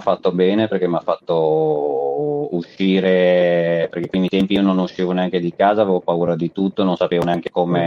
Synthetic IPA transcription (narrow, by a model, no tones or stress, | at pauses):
fːat̪ːobɛːneperk̟emːafːat̪ːo | uʃːiːɾe | perkepːɾimit̪ɛmpiiːononuʃːiːvoneaŋked̪ikaːzaːveːvopauːɾad̪it̪ut̪ːoenonsapeːvoneaŋk̟e̥kome